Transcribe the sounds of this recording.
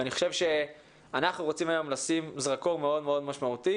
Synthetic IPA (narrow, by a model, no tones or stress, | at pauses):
aniχo̞ʃevʃe̞ | anaχnuʁot͡simajo̞mlasimzʁakoʁmeo̞d̪meo̞d̪maʃmaut̪i